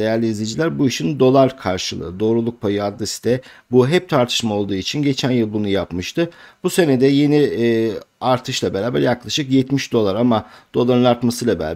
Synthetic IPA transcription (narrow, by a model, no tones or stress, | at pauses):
ejæɾlʲiːzlʲed͡ʒilʲæɾbuiʃind̪o̞lˠaɾkʰaɾʃɯlˠɯ̰d̪o̞ːɾulˠuk̚pʰajɯad̪lesi̥d̪ɛbuɦɛp̚t̪ʰaɾt̪ʰɯ̥ʃmao̞lˠd̪uːit͡ʃʰinɟe̞t͡ʃʰænjɯlˠbunujapmɯʃt̪ʰɯbuse̞ned̪ɛje̞ni | aɾt̪ʰɯʃlˠabe̞ɾaːbæ̰ɾjaklˠaʃɯkjɛt̪miʃd̪o̞lˠaɾamad̪̥o̞lˠaɾɯnaɾt̪masɯlˠabeɾa̰ː